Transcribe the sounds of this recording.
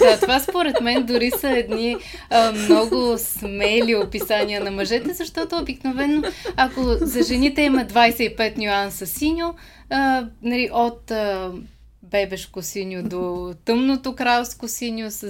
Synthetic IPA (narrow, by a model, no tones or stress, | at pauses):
d̪at̪ovaspoɾɛt̪mɛnd̪ʊɾisɐɛd̪ni | mnɔɡʊsmɛlʲiopisaniənɐmɐʒɛt̪ɛzɐʃt̪ɔt̪oːbiknovɛnoakozɐʒɛnit̪ɛimɐd̪vajsɛipɛt̪nʲʊansɐsinʲo | nɐliʔot̪ | bɛbɛʃkosinʲod̪ot̪ɤmnot̪ʊkɾalˠskosinʲos